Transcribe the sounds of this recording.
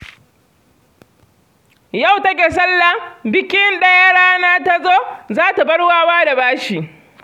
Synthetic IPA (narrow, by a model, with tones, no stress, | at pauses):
ja˦˨wtɐ˦k̬ʲeː˨s̬ɐ˦lːa˨bɪ˦kʲɪ˦nɗɐ˦ja˦ɽaː˦naː˦ta˦zoː˦zaː˦ta˨bɐ˦ɽwaː˦waː˦da˨baː˦ʃiː˨ʔ